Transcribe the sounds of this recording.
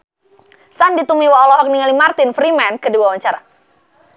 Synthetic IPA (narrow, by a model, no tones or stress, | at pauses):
sandit̪umiwaɔlɔɦɔk̚niŋalimart̪ɪnfɾimɛnkədiwawaɲt͡ʃaɾa